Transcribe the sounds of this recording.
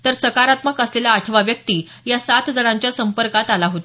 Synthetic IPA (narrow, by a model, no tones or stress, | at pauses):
t̪əɾsəkaɾat̪məkəslelaːʈʰʋaʋjəkt̪iː | jasat̪ʰd͡zəɽ̃aɲt͡ɕjasəmpəɾkat̪alaɦot̪a